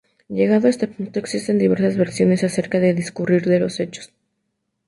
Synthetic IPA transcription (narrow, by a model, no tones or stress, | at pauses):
ʝe̞ɣaðoest̪apunt̪o̞eksist̪e̞nd̪iβe̞ɾsazβe̞ɾsjo̞ne̞sase̞ɾkaðe̞ðiskuriɾðe̞lo̞se̞t͡ʃo̥s